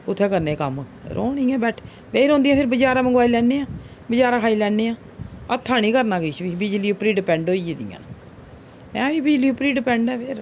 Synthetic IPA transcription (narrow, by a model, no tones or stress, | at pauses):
ʊt̪ʰːɛːkəɾneːkəmɾʔo̰ːnĩːɛ̃ːbɛːʈʰ | beiɾõːnd̪ijɛ̃ːpʰɪɾbəd͡ʒaːɾaːməŋɡʋaːiːlɛːneːãː | bəd͡ʒaːɾaːkʰaːilɛːneːãː | ət̪ʰːaːniːkəɾnaːɡeːt͡ʃʋiːbɪd͡ʒliːuːpɾiːɖɪpɛ̃ːɳɖoːieːd̪ḭjã̰ːn | mɛ̃ːʋiːbɪd͡ʒliːuːpɾiːɖɪpɛ̃ːɳɖɛːpʰɪɾ